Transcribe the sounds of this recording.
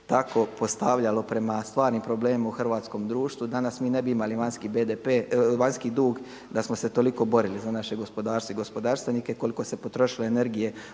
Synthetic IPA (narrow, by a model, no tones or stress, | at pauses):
t̪ako̞po̞st̪aʋʎalo̞pɾe̞mast̪ʋaːɾniːmpɾo̞ble̞ːmauxr̩ʋaːt̪sko̞md̪ɾuːʃt̪ʋud̪anasmiːne̞biimaliʋanskibed̪epeːʋaɲskid̪uːɡ | d̪asmose̞t̪o̞liko̞bo̞ɾilizanaʃe̞ɡo̞spo̞d̪aːɾst̪ʋoiɡo̞spo̞d̪aːɾst̪ʋenike̞ko̞liko̞se̞po̞t̪ɾo̞ʃiloene̞ɾɡije̞